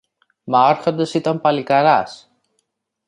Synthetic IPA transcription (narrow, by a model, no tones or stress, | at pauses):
mɐoɾxond̪ɐsit̪ɐmpɐlikɐɾɐs